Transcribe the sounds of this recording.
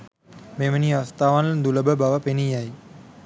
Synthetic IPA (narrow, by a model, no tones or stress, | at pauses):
meʋəniast̪aːʋand̪uləbəbaʋəpenijaj